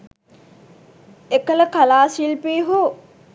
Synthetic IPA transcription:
ekələkalaːsilpiɦo

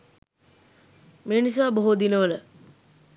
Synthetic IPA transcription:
meːnis̬aːboɦud̪inəʋələ

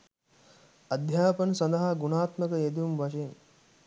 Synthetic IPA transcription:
ɐd̪ʱjaːpɐnsɐnd̪ɐɦaɡunaːt̪məkəjet̪̬iʋumʋɐʃɐjen

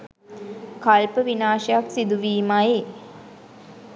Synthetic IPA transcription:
kalpəʋinaːʃəjaksid̪uʋiːmaj

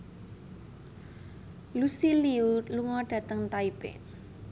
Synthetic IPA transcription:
lusiliuluŋɔɖ̥ä̤t̪əŋt̪aibɪ̰

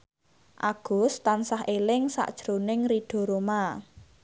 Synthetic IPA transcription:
ʔaɡ̥ʊ̤st̪ansahʔelɪŋsa̰ʔd̥ʒ̥ɾonɪŋriɖ̥ɔ̤ɾoma

